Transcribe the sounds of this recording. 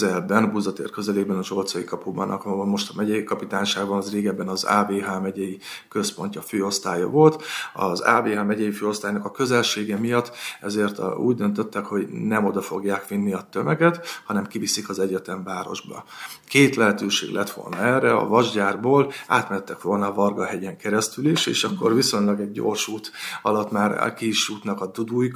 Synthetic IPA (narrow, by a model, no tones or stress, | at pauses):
zɛlbɛnbuzd̪ɒt̪ḛːrkø̞zɛleːɡ̚bɛnɒʒo̞lt̪sɒjikɒpubɒ̰nʔɒ̰kɒmo̞ʃt̪ɒmɛɟɛjikɒpit̪aːnʃaːɡbɒnɒzreːɡɛbːɛnɒza̰ːbeːɦaːmɛɟɛjikø̞spo̞ɲcɒføːo̞st̪aːjɒ̰vo̞lt̪ɒ̰za̰ːveːɦaːmɛɟɛjiføːo̞st̪aːjnɒkɒkø̞zɛlʃeːɡɛmijɒt̪ːɛzeːrt̪ṵːɟd̪ønt̪ø̞t̪ːɛkho̞ɟnɛmo̞d̪ɒfo̞ɡjaːkʋinːiɒt̪ːø̞mɛɡɛt̪hɒnɛmkivisikɒzɛɟɛt̪ɛɱvaːɾo̞̰ʒbɒ̰keːt̪lɛɦɛt̪øːʃḛːɡlʔɛt̪ʋo̞̰lnɒɛːrːɛɒ̰vɒʒɟaːrboːla̰ːt̪mɛɛt̪ːɛkʋo̞lnɒvɒrɡɒɦɛɟɛŋkɛɾɛst̪yliʃḛːʃɒkːo̞rviso̞ɲlɒɡɛɟːo̰ːrʃuːt̪ɒlɒt̪maːr̰kiʃuːt̪nɒkɒd̪ud̪uːjik